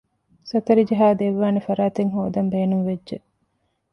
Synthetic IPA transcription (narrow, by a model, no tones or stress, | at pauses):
sɐt̪ɐɾid͡ʒɐɦaːd̪eʋːaːnefɐɾaːt̪eŋɦo̰ːd̪ɐmbeːnunʋedʒe